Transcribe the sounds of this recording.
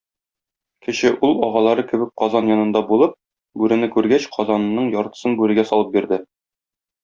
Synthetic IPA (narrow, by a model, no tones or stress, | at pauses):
kɘ̆ɕɘʔulˠɒʁɑlˠɑɾɤkɘ̆bɘk̚qɒzɑnjɒnɤ̆nd̪ɑbulˠɤp̚ | bʉɾɘ̆nɘkʉɾɡæɕqʰɒzɑnːɤɴjɒɾt̪ɤ̥̆sɤnbʉɾɘ̆ɡæsɒlˠɤp̚biɾd̪ɘ